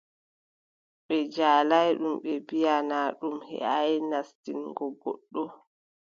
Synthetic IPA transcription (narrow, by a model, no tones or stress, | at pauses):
ɓɛd͡ʒaːlajɗumɓɛbijanaːɗumhɛ̰ajnastinɡɔɡɔɗːɔ